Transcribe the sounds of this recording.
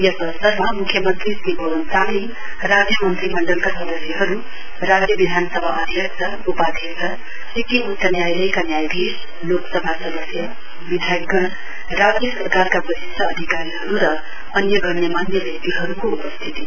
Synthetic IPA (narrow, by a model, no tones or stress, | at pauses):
jʌsʌsʌɾmamukʰjʌmʌnt̪risibʱʌʋʌnt͡sani | ɾad͡zjʌmʌnt̪ɾimʌɳɖʌlkasʌd̪ʌsiɦʌɾu | rad͡zjʌbid̪ʱanʌsʌbʱaʔʌd̪ʱjʌk̚t͡ʃʰʌ | upad̪ʱesʰʌ | ekiut̪sʌnjajlʌjkanjajbis | loksʌbʱasʌd̪ʌsjʌ | bid̪ʱjajɡʌɽ | rad͡zjʌsʌrkarkabʌsist̪ʰʌːd̪ʱikaɾiɦʌɾuɾʌ | ʌnjʌɡʌɾnjʌmanjʌbek̚t̪iɦʌɾukoupʌst̪ʰit̪i